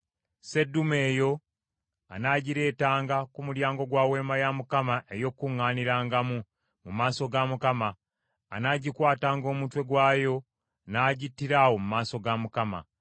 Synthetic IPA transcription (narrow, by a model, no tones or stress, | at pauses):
se̞dːume̞ːjo̞ | a̰naːɟiɾe̞ːtaːŋɡakumuɾjaːŋɡo̞ɡwaːwe̞ːmajamukamaʔe̞jo̞kːuŋːaːniɾaːŋɡamu | mumaːso̞ɡamukamaː | naːɟikwaːtaːŋɡo̞ːmutwe̞ɡwaːjo̞ | naːɟitːiɾaːwo̞mumaːso̞ɡamukama̰